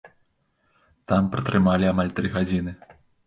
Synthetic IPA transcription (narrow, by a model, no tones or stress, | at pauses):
t̪ampɾɐt̪ɾɨmalʲiamalʲt̪ɾɨɣad͡zʲinɨ